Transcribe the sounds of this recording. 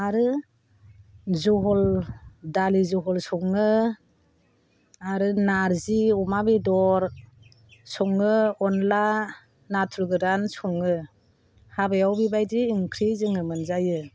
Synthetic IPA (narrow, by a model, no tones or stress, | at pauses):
aɾɯ | zɔɦɔldalizɔɦɔlsɔŋɯ | aɾɯnaɾziɔmabidɔɾ | sɔŋɯɔnla | natʰɾɯɡɯɾansɔŋɯ | habajawbibajdiːŋkʰɾizɯŋɯmɯnzajɯ